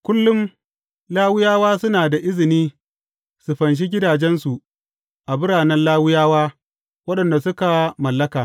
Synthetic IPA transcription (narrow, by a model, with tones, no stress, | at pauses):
kʷʊ˦lːʊ˦m | laː˦wʊ˦jaː˦waː˦sʊ˦naː˨da˨ʔɪ˦zɪ˨niː˦ | su˨ɸɐ˨nʃ̬i˦ɡʲɪ˦daː˨d͡ʒɛ˦nsu˨ʔ | ʔa˨bɪ˦ɽaː˨nɛ˦nlaː˦wʊ˦jaː˦waː˦ | wɐ˦ɗɐ˨nda˨sʊ˦ka˨mɐ˨lːɐ˦kaː˨